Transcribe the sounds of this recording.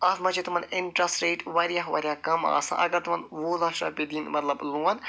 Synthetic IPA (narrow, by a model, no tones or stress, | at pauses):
ɐːzmɐt͡ʃʰit̪umɐnɪnʈɾɐsɾeːʈʋɐɾjaɦʋɐ̰ɾʲjaːkɐma̰ːsã̰ʔɐɡɐɾt̪umɐnʋoːlɐʃɾɐ̰ːpʲed̪iːnmɐt̪lɐbluːɐn